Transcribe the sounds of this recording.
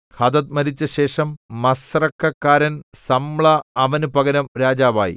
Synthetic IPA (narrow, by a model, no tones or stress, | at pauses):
hɐd̪ɐt̪̚mɐɾit͡ɕːɐɕe̞ːʂɐmːɐsrɐkːɐkːaːɾɐnsɐmɭɐɐʋɐnupɐɡɐnɐmɾaːd͡ʑaːʋa̰ːjḭ